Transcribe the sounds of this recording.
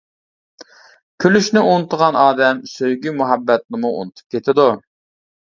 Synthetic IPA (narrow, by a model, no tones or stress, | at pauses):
kʲʰølyʃnɪunɨt̪ʰːəʁɑnʔɑːd̪ɛmsøjɡʲymuɦɛbːɛt̪̚nɪmuṵnɨt̪ʰu̥p̚kʲʰet̪ʰɪd̪u